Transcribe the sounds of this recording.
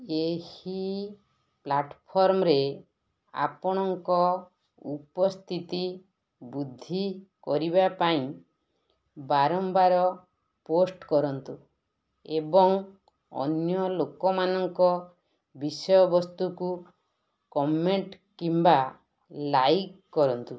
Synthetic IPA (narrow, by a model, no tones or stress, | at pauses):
ehi | plaʈpʰɔɾmɔɾe | a̰pɔɽ̃ɔŋkɔ | upɔst̪ʰit̪i | bud̪ʱikɔɾiβapaĩ | baɾɔmbaɾɔ | posʈkɔɾɔnt̪u | ebɔŋ | ɔ̰njɔlokɔmanɔŋkɔ | bisɔjɔbɔst̪uku | kɔmeɳʈ | kimba | lajkːɔɾɔnt̪u